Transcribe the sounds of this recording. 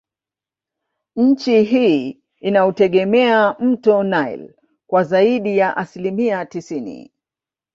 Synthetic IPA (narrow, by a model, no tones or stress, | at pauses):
ɲ̩t͡ʃiɦiː | inautɛɠɛmɛam̩tɔnaj̰l | kwazaiɗijaʔasilimiatisinḭ